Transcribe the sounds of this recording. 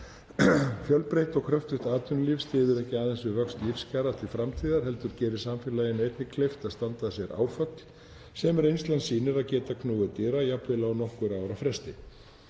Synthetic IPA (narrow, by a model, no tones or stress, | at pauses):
fjœlpɾejht̪ɔɣkʰɾœft̪ʏht̪aːt̪ʏnlifst̪ɪːðʏɾɛhcɪaːðɛnsʏvœkst̪lifscaːɾat̪ʰɪlfɾamt̪ʰiːðaɾ̥ɦɛl̪t̪ʏɾcɛːɾɪsamfɪlaːjɪnejt̪nɪkʰleft̪aðst̪ant̪asjɛɾa̰ːwfœk̪l | sɛmɛɾejnst̪lansiːnɪɾaðcɛːt̪akʰnuːɣʏt̪iːɾajapvɪlawnɔhkʏɾaːwɾafɾɛst̪ɪ